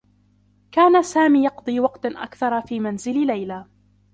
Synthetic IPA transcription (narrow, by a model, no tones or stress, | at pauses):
kaːnasaːmiːjɑqd̪ˤiːwɑqt̪ʔa̰kθɑɾˤfiːmanzɪllajlaː